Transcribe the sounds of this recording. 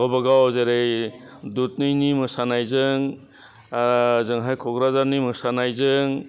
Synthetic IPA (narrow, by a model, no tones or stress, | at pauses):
ɔbaɡawzeɾej | dut̚nɯjnimɯsanajzɯŋ | zɯŋɦajkʰɔɡɾazaɾnimɯsanajzɯŋ